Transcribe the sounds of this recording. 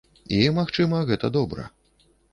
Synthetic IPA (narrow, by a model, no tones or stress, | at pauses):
imaxt͡ʂɨmɐɣɛt̪ɐd̪ɔbɾɐ̰